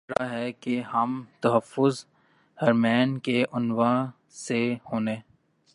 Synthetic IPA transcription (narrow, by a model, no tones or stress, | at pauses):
ɾa̰ɦɛkeɦɐmt̪ɐɦəfːʊz | hɐɾmɛːnkeʔʊnwa | sehoːneː